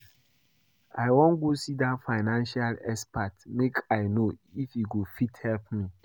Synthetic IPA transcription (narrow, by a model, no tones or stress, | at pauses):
aɪwɔ̃nɡosidatfaɪnãnʃalɛspatmekʰaɪnoifjuɡofithɛlp̚mi